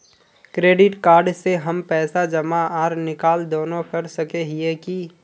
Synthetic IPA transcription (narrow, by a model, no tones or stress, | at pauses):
kɾeːɖɪʈkaːɾɖseɦəmpɛːsad͡ʒəmaaːɾnɪkaːld̪oːnokɐɾsəkeɦieki